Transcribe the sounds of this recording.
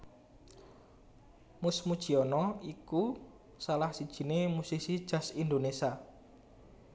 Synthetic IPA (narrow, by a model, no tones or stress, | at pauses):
musmud̥ʒ̥i̤ɔnɔiku | salahsid̥ʒ̥i̤nemusisid̥ʒ̥ä̤sind̪onesia